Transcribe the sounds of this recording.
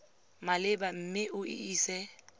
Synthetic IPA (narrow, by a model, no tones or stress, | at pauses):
malɪbam̩ːmɪʔʊɪ̰iːsɛ